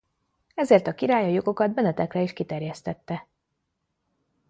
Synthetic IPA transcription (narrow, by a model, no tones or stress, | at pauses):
ɛzeːrt̪ɒkiɾaːjɒjo̞ɡo̞kɒd̪̚bɛnɛt̪ɛkrɛiʃkit̪ɛrjɛst̪ɛt̪ːɛ